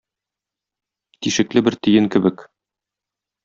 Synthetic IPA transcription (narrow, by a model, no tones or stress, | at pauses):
t̪iʃɘ̆klɘbɘɾt̪ɵ̆jɘŋkɘ̆bɘk